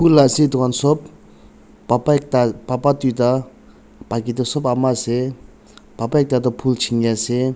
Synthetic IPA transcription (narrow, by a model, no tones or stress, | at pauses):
pʰulːaset̪ukansɔp̚ | apak̚t̪apapat̪ut̪a | pakit̪ɔsopamase | papaek̚t̪at̪̬ɔpʰult͡ʃʰiŋase